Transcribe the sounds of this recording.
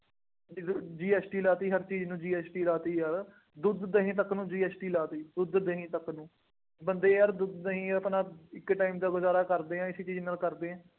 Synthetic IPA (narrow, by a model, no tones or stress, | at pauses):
d͡ʒ̪d͡ʒiːɛːsʈiːlaːt̪iːɦəɾt͡ʃiːd͡ʒnũːd͡ʒiːɛːsʈiːlaːt̪iːɦəɾ | d̪ʊd̪d̪əɦĩːt̪̬əknũːd͡ʒiːɛːsʈiːlaːt̪iːd̪ʊd̪d̪əɦĩːt̪əkːnũː | bənd̪eːɦəɾd̪ʊd̪d̪əɦĩːəpnãːɪkːʈaːimd̪aːɡʊzaːɾaːkəɾd̪eːɛ̃ːɪsiːt͡ʃiːznəlkəɾd̪eːɛ̃ː